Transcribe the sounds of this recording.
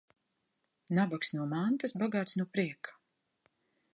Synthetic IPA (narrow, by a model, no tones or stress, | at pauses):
nabaksnuɔmant̪asbaɡaːt̪snuɔpɾiɛkʰḁ